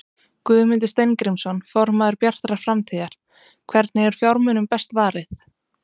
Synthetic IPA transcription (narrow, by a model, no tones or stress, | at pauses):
kvʏːðmɪnt̪ɪst̪ejnkɾimsɔnfɔɾmaðʏɾpjar̥t̪ɾaɾ̥fɾamt̪ʰiːðaɾ̥ | kʰvɛɾt̪nɪɛɾ̥fjawɾmʏnʏmpɛst̪vaːɾɪθ